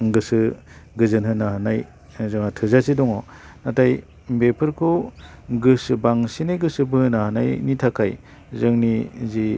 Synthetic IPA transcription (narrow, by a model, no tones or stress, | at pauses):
ɡɯsɯ | ɡɯzɯnhɯnahanaj | zɯŋatʰɯzasidɔŋɔ | natʰaj | bepʰɯɾkʰoɡɯsɯbaŋsinajɡɯsɯbɯhɯnahana̰jnitʰakʰaj | zɯŋnizi